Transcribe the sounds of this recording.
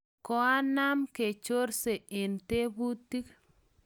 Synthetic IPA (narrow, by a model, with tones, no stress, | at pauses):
kɔ˨a˦na˦mke˨t͡ʃo˦ɾse˨ɪ˨nte˦bu˦ti˦k